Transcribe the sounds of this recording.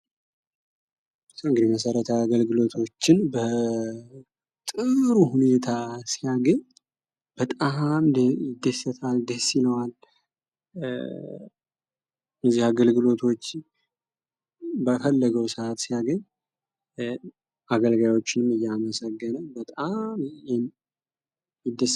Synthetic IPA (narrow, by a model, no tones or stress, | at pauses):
ɨŋɡɨd̪iməsəɾət̪ʰəaɡəlɡɨlo̞t̪ʰo̞t͡ʃːɪnbə | t̪ʼɨɾuhune̞t̪ʰasijaɡəɲ | b̥ət̪ʼamd̪ɪd̪əsːət̪ʰald̪əsiləwal | əzːihaɡəlɡɨlo̞t̪ʰo̞t͡ʃː | bəfəlːəɡəwsəat̪sijaɡəɲ | ʔaɡəlɡajo̞t͡ʃːɪnɨmɨjːaməsəɡːənəbət̪ʼamjɛm | jɪd̪ːəs